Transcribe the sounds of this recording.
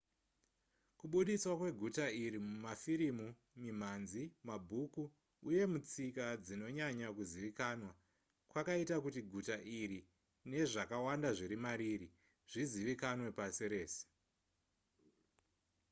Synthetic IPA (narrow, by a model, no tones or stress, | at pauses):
kuɓuɗiswakwe̞ɡʱutaiɾimumafiɾimu | mim̤anzimabʱukuː | je̞mut͡sikad͡zino̞ɲaɲakuziʋikanwa | kwakaitakutiɡʱutaʔiɾi | ne̞ʐakawandaʐiɾimaɾiɾi | ʐ̥iziʋikanwe̞pasiɾe̞ːse̥